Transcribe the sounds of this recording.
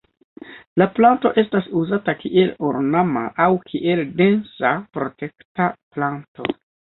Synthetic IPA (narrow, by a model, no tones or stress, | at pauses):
laplanto̞̰ʔe̞stasuzatakiʔe̞loɾnama̰ʔawkʰiʔe̞lde̞nsapɾo̞te̞ktaplanto̞̰